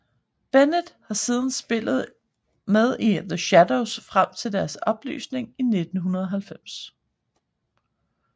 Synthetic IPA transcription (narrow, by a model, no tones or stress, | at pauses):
b̥enəd̥hɑ̈siːð̞ˠn̩sb̥e̝l̰ð̞̩ˠ | með̞ˠiðəɕædoʊsfʁam̰t͡sʰe̝ld̥æɐsɒ̽b̥ly̰ːsne̝ŋine̝d̥n̩ɦunɐð̞ˠɒ̽ɦælfem̰s